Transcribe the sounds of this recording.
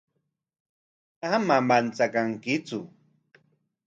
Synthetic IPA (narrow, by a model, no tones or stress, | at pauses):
amamant͡sakaŋkɪt͡sʊ